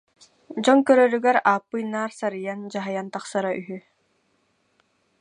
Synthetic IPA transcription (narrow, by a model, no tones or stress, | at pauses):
d͡ʑɔŋkœɾœɾyɡɛɾaːpːɯjnːaːɾsaɾɯjand͡ʑaɦajant̪aχsaɾaʔyɦy